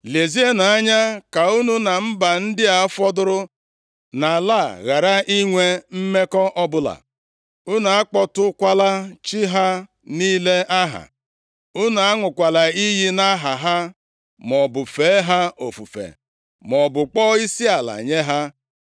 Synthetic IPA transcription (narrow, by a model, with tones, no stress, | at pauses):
le˨zi˦e˦na˨a˦ɲa˦ka˨u˦nu˦na˨m̩˦ba˨n̩˦dɪ˦a˨˦fɔ˦dʊ˦ɾʊ˦ | na˨la˦˨ɣa˨ɾa˦i˦ŋʷe˦m̩˦me˦kɔ˦ʔɔ˦bʊ˦la̰˨ | u˦na˨a˦k͡pɔ˦tʊ˦kʷa˦la˦t͡ʃi˦ɦa˦ | niː˦le˦ʔa˦ɦa̰˨ | u˦na˨a˦ŋʷʊ˨kʷa˨la˨i˦ɦi˦na˦ɦa˨ɦa˦ | mɔ˨bʊ˨feː˨˦ɦa˦o˨fṵ˨fḛ˨ | mɔ˨bʊ˨k͡pɔ˦i˦si˦a˨la̰˨ɲe˦ɦa˦